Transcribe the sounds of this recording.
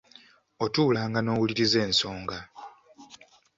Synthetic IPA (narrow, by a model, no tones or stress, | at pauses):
o̞tuːlaːŋɡano̞ːwuliɾize̞ːnso̞ːŋɡa